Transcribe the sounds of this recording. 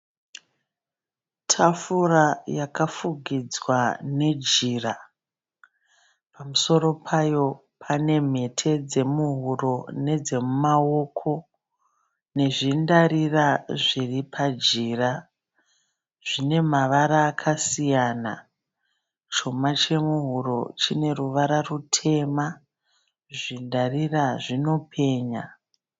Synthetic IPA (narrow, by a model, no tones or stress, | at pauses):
tʰafurajakafuɡʱid͡zwane̞d͡ʒira | pamuso̞ɾo̞pʰajo̞ | pʰane̞m̤e̞tʰe̞d͡ze̞muɦuro̞ne̞d͡ze̞mumawo̞kʰo̞ | ne̞ʐindaɾiraʐiripʰad͡ʒiːra | ʐ̥ine̞maʋaɾaːkʰasijaːna̰ | t͡ʃo̞mat͡ʃe̞muɦuɾo̞̰t͡ʃine̞ruʋaɾarutʰe̞ma | ʐindariraʐino̞pʰe̞ːɲa